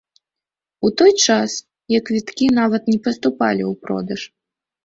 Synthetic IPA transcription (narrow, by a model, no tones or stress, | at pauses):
ut̪ɔjt͡ʂas | jɐkvʲit̪kʲinavɐt̪nʲɛpɐst̪upa̰lʲḭupɾɔ̰d̪ɐʂ